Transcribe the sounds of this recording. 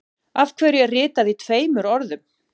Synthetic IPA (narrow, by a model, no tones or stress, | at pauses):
avkʰvɛːɾɪɛrɪːt̪aðit̪ʰveːjmʏɾɔɾðʏm